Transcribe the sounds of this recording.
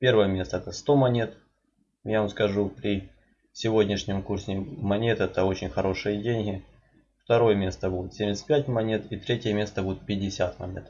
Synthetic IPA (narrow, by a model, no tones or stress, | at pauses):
pʲe̞rvəjəmʲe̞st̪əɛt̪əst̪o̞mɐnʲe̞t̪ | javamskɐʐupɾʲɪ | sʲɪvo̞dʲnʲɪʂnʲɪmkursʲɪmɐnʲe̞t̪ɛt̪əo̞t͡ɕɪnʲxɐɾo̞ʂɨjədʲenʲɦʲɪ | ft̪ɐɾo̞jəmʲe̞st̪əbud̪ʲʊt̪sʲemʲɪsʲt̪̚ʲpʲætʲmɐnʲe̞t̪it̪ɾʲetʲɪjəmʲe̞st̪əbud̪ʲɪt̪̚pʲɪdʲɪsʲat̪mɐ̰nʲḛt̪